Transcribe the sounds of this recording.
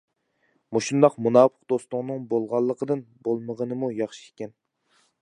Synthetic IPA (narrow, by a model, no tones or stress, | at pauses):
muʃund̪ɑqmunɑːpʰəqd̪ost̪ʊŋnɨŋbolˠʁɑlˠːəqʰəd̪ɨnbolˠməʁənɨmujɑχʃi̥ekʲɛn